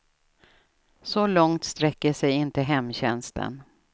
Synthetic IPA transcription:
sɔlɔŋt̪st̪ɾɛkːəʂɛjɪnt̪əɦɛmːɕɛnst̪ʰə̰n

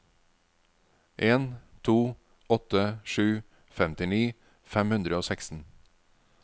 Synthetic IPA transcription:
ʔeːnt̪ʰuː | ɔt̪əʃʉː | fɛmt̪ɪniː | fɛmhʉnd̪ɾəoːsɛkst̪n̩

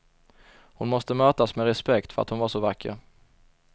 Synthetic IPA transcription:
hʊnmɔst̪əmøːt̪asmɛɾɛspɛkt̪fœɾa̰t̪hʊnvaʂɔvakʰːə̰ɾ

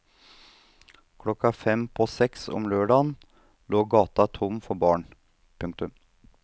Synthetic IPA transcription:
kʰɽɔkːɑfɛmpʰɔsɛksɔ̰mløːɖɑːn | loːɡɑːt̪ɑt̪ʰʊmfɔɾbɑːɳ | pʰʉŋkt̪ʉm

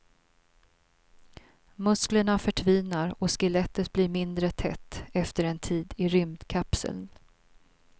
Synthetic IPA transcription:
mɵskləɳafœʈʰviːnaɾɔskəlɛt̪ːət̪̚bliɾmɪnd̪ɾət̪ʰɛ̰t̪ːɛft̪əɾɛnt̪ʰiːd̪ɪɾʏmd̪kʰapsə̰ln

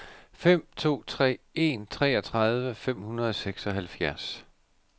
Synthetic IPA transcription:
fem̰t͡sʰo̝̰ːt͡sʰʁɛ̰ːe̝nt͡sʰʁɛ̰ːɒt͡sʰʁɑð̞ˠʋəfem̰hunɐð̞ˠɒ̽seɡ̥sɒ̽ɦælfjæɐs

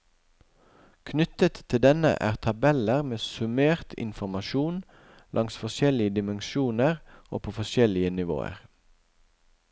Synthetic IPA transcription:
kʰnʏt̪ət̪ʰːɪld̪ɛnə̰ʔæ̰ːʁt̪ʰɑbɛləʁmeːsʉmeːʁt̪ʰɪ̰nfɔmɑʃuːn | lʔɑŋsfɔʃɛlɪəd̪ɪmənʃuːnəʁo̰ːpʰoːfɔʃɛlɪənɪʋo̰ːə̰ʁ

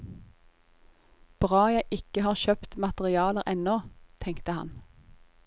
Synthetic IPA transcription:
b̥ʁɑːjæɪʔɪkəhɑːʁʃøːpt̪mɑt̪əʁɪɑːləʁʔɛnoːt̪ʰɛŋkt̪əhɑ̰n

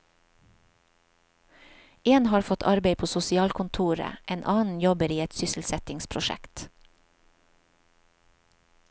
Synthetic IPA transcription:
eːnhɑːɾfɔt̪ʰɑɾbeɪpʰoːsʊsɪɑːlkʰʊnt̪ʰuːɾə̰ʔeːnʔɑːnn̩jɔbəɾiːɛt̪sʏsl̩sɛt̪ɪŋspʰɾʊʃɛ̰kt̪

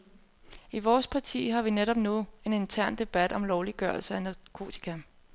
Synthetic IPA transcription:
iʋɒːspʰɑ̈t͡sʰḭːɦɑ̈ʋineɾ̥ɒ̽b̥nue̝ne̝nt͡sʰæɐ̰nd̥e̝b̥æd̥ɒ̽mlɒʊliɡ̥ɶɐlsəænɑkʰo̝̰ːt͡sʰi̥kʰæ

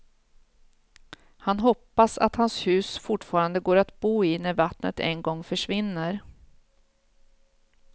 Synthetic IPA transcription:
hanɦɔpːasa̰t̪hanshʉ̟ːsfʊʈfɑːɾand̪əɡoːɾat̪buːɪnæɾvat̪nə̰t̪ɛ̰nɡɔŋːfœʂvɪnːəɾ

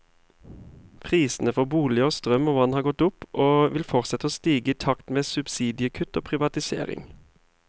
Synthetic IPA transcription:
pʰʁiːsn̩əfɔʁbuːlɪəoːst̪ʁœmoːʋɑnhɑːʁɡɔt̪ʊpʔoːʋɪlfɔʁsɛt̪əoːst̪iːɡəiːt̪ʰɑkt̪meːsʉbsiːd̪ɪəkʰʉt̪o̰ːpʰʁɪʋɑt̪ɪsḛːʁɪ̰ŋ

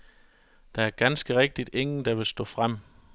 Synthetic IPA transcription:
d̥ææɐɡ̥ænsɡ̥əʁeɡ̥̚d̥id̥e̝ŋn̩d̥æʋe̝lsd̥ɔ̰̽ːfʁam̰

